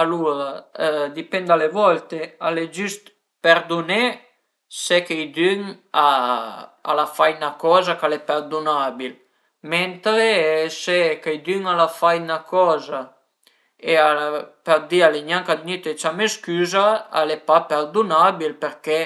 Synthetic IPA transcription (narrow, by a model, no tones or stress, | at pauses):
aludad̪ipɛnd̪alevɔlt̪ealed͡ʒyst̪ | peɾd̪une | sekejd̪yŋa | a̰lafajnakɔzakalepɛɾd̪unabil | mɛnt̪ɾesekejd̪yŋalafajnakɔːza | eapeɾd̪ialeɲaŋkad̪init̪et͡ʃameskyːzaa̰lepapɛɾd̪unabilpeɾke